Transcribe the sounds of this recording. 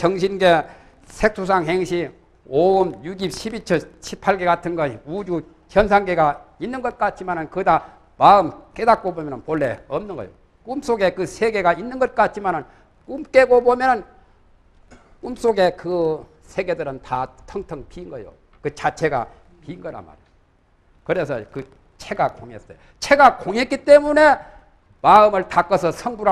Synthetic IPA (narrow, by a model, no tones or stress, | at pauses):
t͡ɕʌŋɕʰinɡe̞ | sʰek̚sʰus̬ʰaŋɦeŋɕʰi | oɯmjuɡip̚ɕʰibit͡ɕʰʌɕʰipʰaɭɡe̞katʰɯnɡʌɕiud͡ʑu | kjʌns̬ʰaŋɡeɡainːɯnɡʌt̚k͈at͡ɕ͈imanɯnkɯda | maɯmk͈e̞dat̚k͈obomjʌnɯnpoɭːḛʌmnɯnɡʌjo̰ | kums͈oɡe̞kɯsʰeɡe̞ɡainːɯnɡʌt̚k͈at͡ɕ͈ʰimanɯn | kumk͈e̞ɡobomjʌnɯn | kums͈oɡe̞kɯ | sʰe̞ɡe̞dɯɾɯntatʰʌŋtʰʌŋpiːnɡʌjo̰ | kɯt͡ɕat͡ɕʰe̞ɡa̰ | piːnɡʌɾa̰ma̰ɾe | kɯɾe̞sʰʌkɯ | t͡ɕʰeɡakoŋes͈ʌjo | t͡ɕʰe̞ɡakoŋɦe̞t̚k͈it͈e̞mune̞ | maɯmɯɭtak͈ʌsʰʌsʰʌŋbuɾa